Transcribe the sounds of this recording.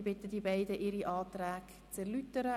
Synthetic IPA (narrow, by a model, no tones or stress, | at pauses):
b̥ɪt̪əd̥ibaɪdəʔɪɾiʔɑːtræːk | t͡sɛʁlytəɾə